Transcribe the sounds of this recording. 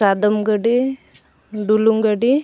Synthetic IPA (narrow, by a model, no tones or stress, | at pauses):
ad̪əmɡəɖi | ɖuluŋɡəɖi